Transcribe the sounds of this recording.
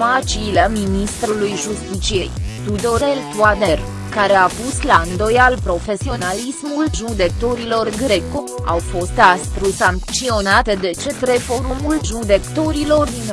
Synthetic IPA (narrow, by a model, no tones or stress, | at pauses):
mat͡ʃiːleminist̪ɾulujʒust̪it͡ʃiejt̪ud̪o̞ɾelt̪uad̪er | kaɾe̞apusland̪o̞jalpɾo̞fe̞sio̞nalismulʒud̪e̞k̚t̪o̞ɾilo̞rɡɾeko | a̰wfo̞st̪ast̪ɾusaŋkt͡ʃio̞nat̪ed̪e̞t͡ʃet̪re̞fo̞ɾumulʒud̪e̞kt̪o̞ɾilo̞rd̪in